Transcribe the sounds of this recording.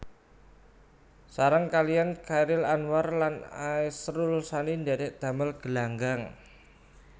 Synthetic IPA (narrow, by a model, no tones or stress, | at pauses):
saɾəŋkaliankaiɾɪlanwarlanaisɾulsanind̪adɛʔd̪̥a̤məlɡ̥ə̤laŋɡaŋ